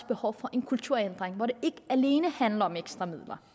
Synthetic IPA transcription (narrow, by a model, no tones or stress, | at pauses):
sb̥e̝hɒʊfɒ̽ʔe̝nkʰult͡sʰuɐ̰end̥ʁeŋʋɒɾe̝e̝ɡ̥əæle̝ːnəhænlɐɒ̽meɡ̥sd̥ʁɐmið̰ˠlɐ